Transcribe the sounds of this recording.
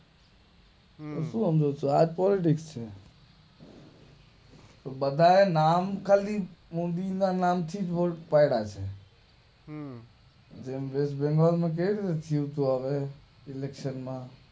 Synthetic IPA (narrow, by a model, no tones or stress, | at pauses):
t̪osũːɦəmd͡ʒot͡ʃʰoaːd͡ʒpɔːlɪʈ̬ɪkst͡ʃʰe | t̪obəd̪ʱaenaːmkʰalimũnd̪ianaːmt̪ʰiːd͡ʒboːʈpaɪɽat͡ʃʰe | d͡ʒeːmʋeːsbẽŋɡaːlmãk̬eɽit̪et̪ʰiũt̪uaʋe | ɪlekʃənmãː